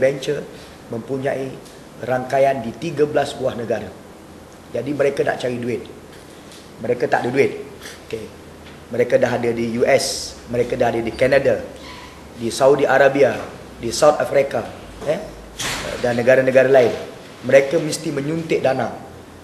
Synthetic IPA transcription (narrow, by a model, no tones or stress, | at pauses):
bɛnt͡ʃər | mə̃mpuɲãʔi | raŋkajandit̪iɡəblasbuahnəɡaɾa | d͡ʒadiməɾekana̰ʔt͡ʃaɾiduɪt̪̚ | məɾekat̪a̰ʔdiduɪt̪̚oke | məɾekadaɦadədijuʔɛsmə̃ɾekadaɦadədikanada | disaudiʔaɾabia | disawt̪afɾika | ɛ̰ | danːə̃ɡaɾanə̃ɡaɾalaɪn | məɾekamist̪imə̃ɲunt̪ɪʔ̚danaŋ